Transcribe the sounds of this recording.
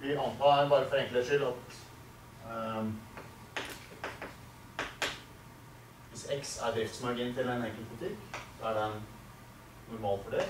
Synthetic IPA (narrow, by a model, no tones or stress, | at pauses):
ʋɪʔɑnt̪ʰɑːbɑːɾəfɔɾɛŋkləʂɪlɑt̪ | ʋɪsɛksæ̰ɾd̪ɾɪft̪smæːɡɪnt̪ʰɪlɛneːkəlbʊlɪt̪ʰɪkːsɔæɖɛn | nʊɾmɑːlfɔɖɛ